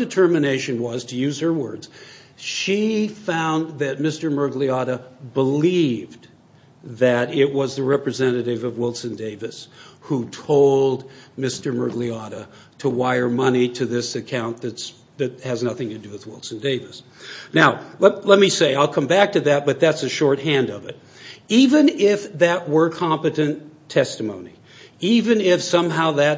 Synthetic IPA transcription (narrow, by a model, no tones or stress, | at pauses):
dɨtʰɜ˞mɨneɪʃɨ̃nwʌz̥tʰɨjʉz̥ə˞wɜ˞dz̥ | ʃifãʊ̃nðɨt̚mɪstə˞mɜ˞ɡliɑɾəbəlivd | ðɨɾɪt̚wʌzðɨɹɛpɹɨzɛ̃nɨɾɪvʌvwɪlˠsɨ̃ndeɪvɨshutʰoʊlˠd̚mɪstə˞mɜ˞ɡliɑɾə | ɾəwaɪə˞mʌniɾɨðɪsɨkʰãʊ̃nðɨts | ðɨt̚hɨznʌθɪ̃ŋtʰɨdɨwɨðwɪlˠsn̩deɪvɨs | naʊllɛt̚miseɪaɪlˠkʰʌ̃mbæk̚tʰɨðɨt̚b̥ʌt̪̚ðætsɨʃɔɹt̚hæ̃ndʌvɨt̚ | ivɨ̃nɪfðɨʔ̚wə˞kʰɑ̃mpɨɾɨ̃ntʰɛstɨmõʊ̃ni | ivɨ̃nɪfsʌ̃mɦaʊðɨt̚